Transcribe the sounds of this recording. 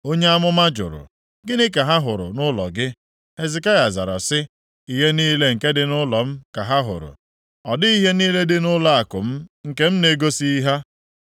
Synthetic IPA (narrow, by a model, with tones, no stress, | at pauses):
o˦ɲe˦a˦mʊ˦ma˦d͡ʒʊ̰˨ɾʊ̰˨ | ɡɪ˦nɪ˦ka˨ɦa˦ɦʊ˨ɾʊ̰˨nʊ˦lɔ˨ɡɪ˦ | e˨zɪ˨ka˦ja˨za̰˨ɾa̰˨sɪ˦ | i˨ɦe˦niː˦le˦ŋ̩˨ke˦dɪ˦nʊ˦lɔ˨m̩˦ka˨ɦa˦ɦʊ̰˨ɾʊ̰˨ | ɔ˨dɪ˦i˦ɦe˦niː˦le˦dɪ˦nʊ˦la˦a˨kʊ˨m̩˦ŋ̩˨ke˦m̩˦ne˨˦ɡo˦si˦i˦ɦa˦